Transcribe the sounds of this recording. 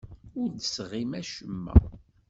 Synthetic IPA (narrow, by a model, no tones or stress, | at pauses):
ʊɾd̪əsʁimæʃəmːæ̰